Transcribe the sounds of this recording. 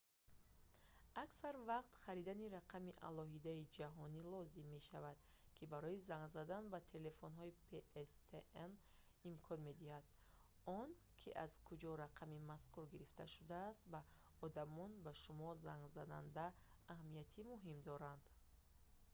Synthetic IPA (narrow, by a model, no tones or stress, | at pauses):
aksaɾvaqt̪χaɾid̪aniɾaqʰamiʔa̰lɔɦid̪aid͡ʒaɦɔnilɔzimːe̞ʃavad̪̥ | kʰibaɾɔizaŋɡzad̪anbat̪ʰe̞le̞fonɦɔipʰeest̪ʰeen | imkʰɔnme̞d̪ihad̪̥ | ɔn | kʰiʔaz̥kʰud͡ʒɔɾaqʰamimaskuɾɡiɾift̪ʰa̰ʃud̪aːst̪ba | ɔd̪amɔnbaʃumɔzaŋɡzad̪a̰nd̪aː | hmijat̪ʰimuɦimd̪ɔɾand̪